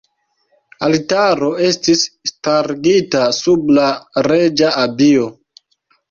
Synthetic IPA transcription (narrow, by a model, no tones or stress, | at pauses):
altaɾo̞e̞stisːtaɾɡitasublaɾe̞d͡ʒaabio̞